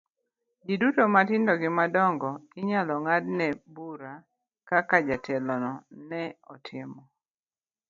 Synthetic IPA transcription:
d͡ʒidutomatɪndɔɡɪmadɔŋɡɔɪɲalɔŋadnɛbuɾa | kakad͡ʒatʰɛlɔnɔnɛɔtʰɪmɔ

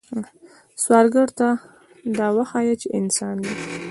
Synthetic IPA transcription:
swɑɾɡəɽt̪a | d̪ɑwaxɑjat͡ʃɪɪnsɑnd̪e

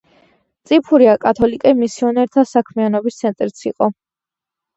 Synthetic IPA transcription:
t̪sʼipʰuɾiakʼat̪ʰɔlikʼɛmisiɔnɛɾt̪ʰasakʰmianɔbist̪sʰɛnt̪ʼɾit̪sʰiqʼɔ

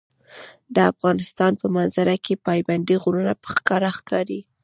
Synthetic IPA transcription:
d̪əafɣɑnɪst̪ɑnpəmanzaɾakepɑjband̪iɣuɾunapə̥xkɑɾaxkɑɾi

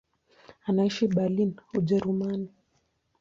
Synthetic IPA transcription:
anaiʃiɓalinuʄɛɾumani

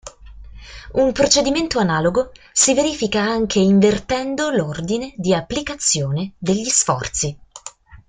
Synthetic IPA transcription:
umpɾot͡ʃed̪iment̪oanaːloɡo | siveɾiːfikaaŋk̟ʰeiɱvert̪ɛnd̪olord̪ined̪iapːlikat̪sːjoːned̪eʎːisfɔ̰rt̪si

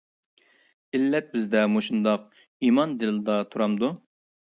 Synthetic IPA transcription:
ilːɛt̪̚bɪzd̪ɛmoʃund̪ɑq̚ | imɑnd̪ɪld̪ɑt̪ʰuɾɑmd̪u

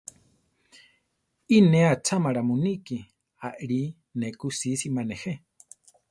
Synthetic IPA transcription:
ineat͡ʃʰamaɺamuniki | aʔɺi | nɛkusisimanehe

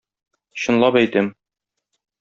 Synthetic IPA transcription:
ɕŏnlˠɑpæjt̪ɘm

